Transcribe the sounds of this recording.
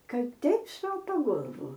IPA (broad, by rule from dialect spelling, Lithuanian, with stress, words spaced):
ˈkɐt ˈtʲɛɪp ˈsoːpɐ ˈɡoːlˠʋʊ